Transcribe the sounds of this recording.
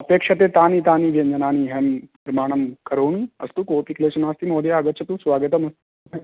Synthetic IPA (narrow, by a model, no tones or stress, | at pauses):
ɐpeːkʂɐt̪eːt̪aːnit̪aːniːʋʱend͡ʒɐnaːniːɦem | ɾmaːɳ̃ɐmkɐɾoːniɐ̰st̪ukoːpikleːsunaːst̪imoːd̪jaːɡət̪̚ːt͡ʃʰɐt̪usʋaːɡət̪ɐmɐst̪